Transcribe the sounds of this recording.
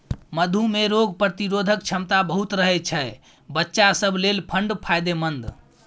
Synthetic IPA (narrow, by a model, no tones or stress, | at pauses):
məd̪ʱumeɾoɡpɾət̪iɾod̪ʱək̚t͡ʃʰəmt̪abəɦut̪ɾəɦɛt͡ʃʰəj | bətːʃasəbʱlelpʰəɳɖpʰajd̪emənd̪